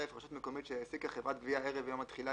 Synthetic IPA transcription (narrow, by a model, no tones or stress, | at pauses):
efʁaʃut̪meko̞mit̪ʃejesikaχevʁat̪̚ɡviaeʁevjomat̪χila